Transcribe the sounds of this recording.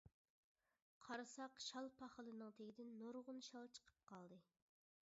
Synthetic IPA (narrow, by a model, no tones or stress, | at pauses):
qʰɑɾɨsɑqʃɑlˠpʰɑχəlˠɨnɨŋt̪ʰeɡʲid̪ɪnːoɾʁʊnʃɑlˠt͡ʃʰə̥qʰə̥p̚qʰɑlˠd̪ɨ